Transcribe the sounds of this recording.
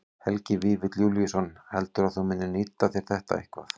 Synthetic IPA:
hɛlcɪviɾvɪt̪ljulisɔnhɛlt̪ʏɾaðθumɪnːɪniːt̪ːaθjɛɾ̥θɛht̪a̰ḛhkva̰θ

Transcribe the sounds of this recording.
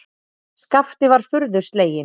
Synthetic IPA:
skaft̪ɪvaɾ̥fʏɾðʏst̪leːjɪ

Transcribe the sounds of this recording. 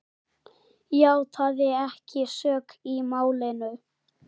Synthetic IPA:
jaːwt̪ʰaðɪɛhcɪsœːkimaːwlɪnʏ

